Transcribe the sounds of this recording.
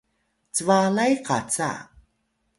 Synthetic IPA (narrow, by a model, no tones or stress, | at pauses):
t͡səvalajqat͡sa̰